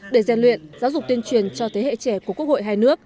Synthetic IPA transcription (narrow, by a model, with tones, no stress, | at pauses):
ɗe˧˩zɛ˧˩nlwḭ˧˨ənzaː˨˦wzʊ˨˩k͡p̚t̪i˧ənt͡ɕwi˨˩ənt͡ɕɔ˧t̪ʰe˨˦hḛ˧˨t͡ɕɛ˧˩ku˧˩ku˦˥k̚ho̰˧˨jɦaː˧jnɨ˦˥ək̚